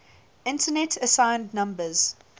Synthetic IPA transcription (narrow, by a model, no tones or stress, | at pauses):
ɪ̃ntʰənɛtʰəsãɪ̃ndnʌ̃mbəz̥